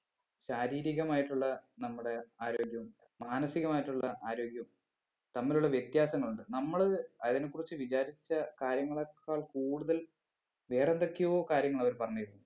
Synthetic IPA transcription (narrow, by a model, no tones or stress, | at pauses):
ɕaːɾiːɾiɣɐmaːjiʈːuɭːɐnɐmːuɽe̞aːɾo̞ːɡjɐʋu | maːnɐsiɣɐmaːjiʈːuɭːɐʔaːɾo̞ːɡjɐʋum | t̪ɐmːiluɭːɐʋjet̪jaːsɐŋːɐɭuɳɖɨnɐmːɐɭɨɐðinekːurit͡ɕːɨʋit͡ɕaːɾit͡ɕːɐkaːɾjɐŋːɐɭɐkːaːɭkuːɽuðɐl | ʋe̞ːrend̪ɐkːjiʋoːkaːɾjɐŋːɐɭɐʋɐɾpɐrɐɲːiɾunːu